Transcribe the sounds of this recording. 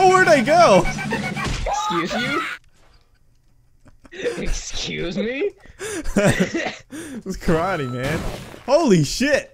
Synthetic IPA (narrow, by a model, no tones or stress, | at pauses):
wəɹðeɪɡoʊ | ɪkskjʉzmi | ɨkskjʉ̰zmi | skʰɹ̥aɪɾimæ̃nhoʊlˠiʃɪt̚